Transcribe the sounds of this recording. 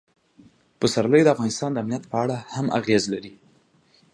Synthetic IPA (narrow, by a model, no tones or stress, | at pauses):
pəsaɾləjd̪əafɣɑnɪst̪ɑnd̪əamnijat̪pəaɽahamʔa̰ɣezlaɾi